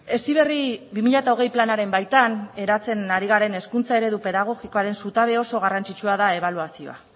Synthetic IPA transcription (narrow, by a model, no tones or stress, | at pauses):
e̞siβ̞e̞riβimiʎat̪aoɣ̞e̞jplanaɾe̞mbajt̪ane̞ɾat͡se̞naɾiɣaɾe̞ne̞skunt͡sae̞ɾe̞ðupe̞ðaɣ̞o̞ɣiko̞aɾe̞nsut̪aβ̞e̞o̞so̞ɣ̞arant͡ʃit͡ʃuaðae̞β̞aluasio̞̰a̰